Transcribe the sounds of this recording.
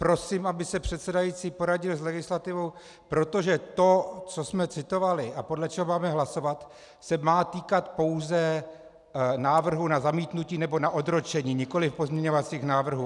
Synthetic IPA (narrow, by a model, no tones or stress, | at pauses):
pɾo̞siːmʔabɪsɛpr̝̥ɛt̪sɛdajiːt͡siːpo̞ɾaɟɪlzlɛɡɪslat̪ɪvo̞w | pɾo̞t̪o̞ʒɛt̪o̞t͡sosmɛt͡sɪt̪o̞valɪʔapodlɛt͡ʃɛɦomaːmɛɦlaso̞vat̪ | sɛmaːt̪iːkat̪po̞wzɛ | naːvr̩ɦunazamiːt̪nuciːnɛbo̞naʔo̞d̪ɾo̞t͡ʃɛɲiːɲɪko̞lɪfpo̞zmɲɛɲo̞vat͡siːxnaːvr̩ɦu